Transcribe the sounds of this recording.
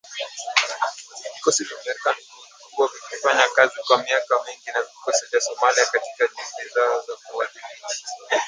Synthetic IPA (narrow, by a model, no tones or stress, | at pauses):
vikɔsivamɛikanikuniukuɔvikifaɲakazikwamiakamiŋɡinavikɔsivjasɔmaliakatikaʄiŋɡizaɔzakuwalimii